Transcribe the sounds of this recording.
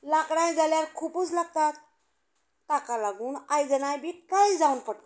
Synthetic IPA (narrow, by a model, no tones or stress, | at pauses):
lakɽãjd͡zaljaɾkʰupuːt͡slaɡ̚t̪at̪̚ː | akalaɡuːnajd͡zənajbʱiːkajd͡zaunpəɽ